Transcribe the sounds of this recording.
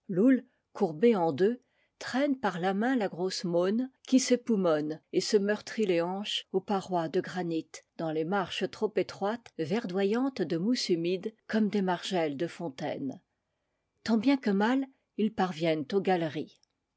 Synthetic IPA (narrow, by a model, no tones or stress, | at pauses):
lul | kuʁbeɑ̃d̪ø | t̪χɛnpaʁlamɛ̃laɡʁosmonkʲisepumɔnesəmœʁt̪χileɑ̃ʃopaʁwad̪əɡʁanit̪d̪̥ɑ̃lemaʁʃət̪χopet̪χwat̪vɛʁd̪wajɑ̃t̪d̪əmusymid̪kɔmd̪emaʁʒɛld̪əfɔ̃t̪ɛ̰n | t̪ɑ̃bjɛ̃kəmal | ilpaʁvjɛnt̪oɡalʁi